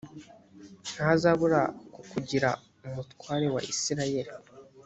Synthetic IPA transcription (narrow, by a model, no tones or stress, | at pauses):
n̥hazaβuɾakukuɟiɾa̰ | umutwaːɾe̞wa̰ʔisiɾaje̞ɾi